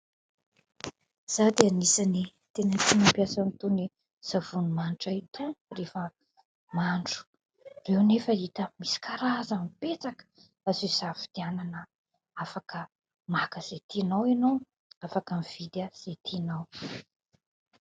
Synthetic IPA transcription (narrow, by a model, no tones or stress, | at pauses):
z̥ad̪eanisani | t̪enət̪inəmpjasanit̪uni | z̥av̥unumanʈ͡ʂait̪urefə | maɳɖ͡ʐu̥ | rewnefəit̪əmisi̥kaɾazəmipet͡sakə̥ | aziz̥avid̪̥iananə | afakə | makəz̥et̪inawinow | afakəmiv̥id̪əz̥et̪ʰinaw